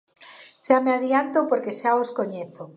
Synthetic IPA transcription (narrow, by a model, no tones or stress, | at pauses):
ʃameaðjant̪opoɾkeʃaoskoɲeθo